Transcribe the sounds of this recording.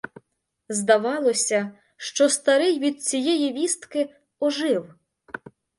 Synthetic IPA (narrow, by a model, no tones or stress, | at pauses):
zd̪ɐʋɑlˠɔsʲɐ | ʃt͡ʃɔst̪ɐɾɪjʋʲid̪̚t͡sʲijɛjiʋʲist̪kɪ | ɔʒɪw